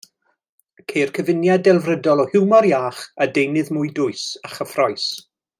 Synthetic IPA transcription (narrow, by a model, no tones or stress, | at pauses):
kʰejrkʰəvɪnjadɛlˠvrədɔlˠɔhɪwmaɾjaːχadejnɨðmʊɨdʊɨsaχəfrɔjs